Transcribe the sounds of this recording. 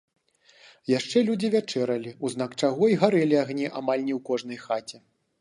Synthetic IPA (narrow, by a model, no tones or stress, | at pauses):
jaʂt͡ʂɛlʲud͡zʲivʲat͡ʂɛɾɐlʲiuzn̪akt͡ʂaɣɔiɣaɾɛlʲiaɣnʲɛʔamalʲnʲɛwkɔʐn̪ɐjxat͡sʲɛ